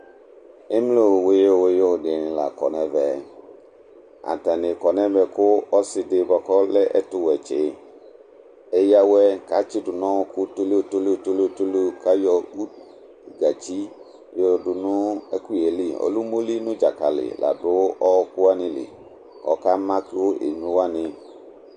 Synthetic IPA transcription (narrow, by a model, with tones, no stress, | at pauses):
e˦mlo˦˨we˨je˦wo˨jɔ˦˨dɪ˨nɪ̃˨la˨kɔ̰˨nɛ̃˨vɛ˨ | a̰˨ta˨nɪ˨kɔ˨nɛ̃˦vɛ˨kʊ˦ɔ˦sɪ˨dɪ˨bɔ˨kɔ˦lɛ˦ʔɛ˦tʊ˨wɛ˨t͡ʃɪ˨˦ | e˨ja˦wɛ˦ka˨˦t͡ʃi˦dʊ˨nɔ̃˦kʊ˦to˦le˦o˨to˦le˦˨to˦lo˦o˦˨to˦lo˦ka˦jɔ˦u˦˨ | ɡa˨t͡ʃi˦˨ | ɔ˨dʊ˨nʊ̃˦ɛ˦ku˦e˨li˦ɔ̰˨lu˦mo˦li˦nʊ̃˦d͡ʒa˨ka˨lɪ̰˨la̰˨dʊ˦ɔ˦kʊ˦a˦nɪ̃˦lɪ̰˨ | ɔ̰˨ka˦mã˦ko˦ʔḛ˨ɲũ˦wa˦nɪ̃˧